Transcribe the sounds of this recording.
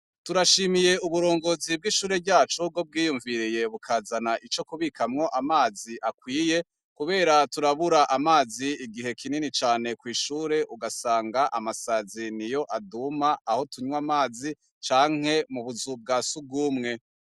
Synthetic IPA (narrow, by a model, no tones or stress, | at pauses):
tuɾaʃiːmije̞uβuɾo̞ːŋɡo̞ːzib̚ɡiʃuːɾe̞ɾɟaːt͡ʃub̚ɡo̞b̚ɡiːjuɱviɾije̞βukʰaːzanaʔit͡ʃo̞kuβikʰamŋo̞ʔamaːziʔakwiːje̞ | kuβe̞ːɾatuɾaβuɾaʔamaːziiɡiɦe̞kʰininit͡ʃaːne̞kwiːʃuːɾe̞ʔuɡasaːŋɡaʔamasazinijo̞ʔadumaʔaho̞tuɲwamaːzi | t͡ʃaːŋ̥he̞muβuzub̚ɡaːsub̚ɡuːmŋe̞